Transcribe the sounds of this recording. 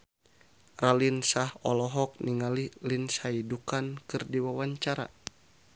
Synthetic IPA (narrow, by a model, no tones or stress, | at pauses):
ralinsahɔlɔɦɔk̚niŋalilinsaidukankɨrdiwawaɲt͡ʃaɾa̰